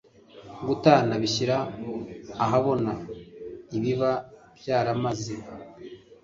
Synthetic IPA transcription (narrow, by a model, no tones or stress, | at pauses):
ɡutanaβiɕiɾaː | ɦaβo̞na | iβiβa | bjaːɾamazi